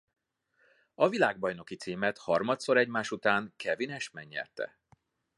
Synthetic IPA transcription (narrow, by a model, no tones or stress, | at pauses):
ɒvilaːɡ̚bɒjno̞kit̪siːmɛt̪hɒrmɒt̪so̞ɾɛɟmaːʃut̪aːŋkʰɛvinɛʃmɛɲːɛ̰lt̪ɛ̰